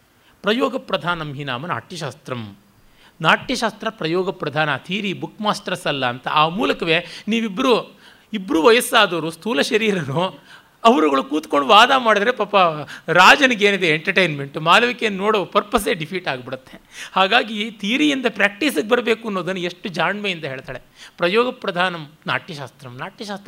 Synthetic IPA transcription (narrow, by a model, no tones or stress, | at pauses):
pɾɐjɔːɡɐpɾɐd̪ʱaːnɐmɦina̰ːmɐna̰ːʈjɐʃaːst̪ɾɐm | naːʈjɐʃaːst̪ɾɐpɾɐjɔːɡɐpɾɐd̪ʱaːnɐt̪ʰiːɾibukʰːmaːst̪ɐɾɐsɐlːɐːnt̪ɐʔaːmuːlɐkɐʋe̞ːniːʋibːɐɾu | ibːɾuːʋɐjɐsːaːd̪ɐʋɐɾust̪ʰuːlɐʃɐɾiːɾɐnu | ɐʋɐɾuɡɐɭukuːt̪koɳɖuʋaːd̪aːmaːɽid̪ɐɾepaːpːɐɾaːd͡ʒɐniɡeːnid̪eeɳʈɐɾʈejnmeɳʈmaːlɐʋikennoːɽoːpɐɾpɐs̬eːɖipʰiːʈaːɡbiɽut̪ːehaːɡaːɡit̪ʰiːɾijind̪ɐpɾaːk̚ʈisɐɡebɐɾɐbe̞ːkuɐnːoːd̪ɐnːɐeʂʈːud͡ʒaːɳmejind̪ɐɦeːɭt̪aːɽepɾɐjɔːɡɐpɾɐd̪ʱaːnɐmna̰ːʈjɐʃaːst̪ɾɐmnaːʈjɐʃaːst̪ɐ